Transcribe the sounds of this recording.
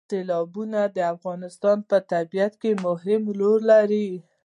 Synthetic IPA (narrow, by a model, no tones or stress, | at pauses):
q̪ɪlɑbunad̪əafɣɑnɪst̪ɑnpət̪abijat̪kemʊhɾɪmloɾlaɾi